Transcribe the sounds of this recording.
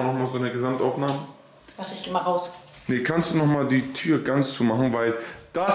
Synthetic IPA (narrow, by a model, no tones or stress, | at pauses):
nɔχmaːlzoːnəɐɡəzamtʔaʊfnaːmə | maχtəɪçɡ̥eːmalʁaʊsnəkʰanstd̥uːnɔχmaːldiːtʰyːɐɡant͡st͡suːmaχn̩vaɪld̥a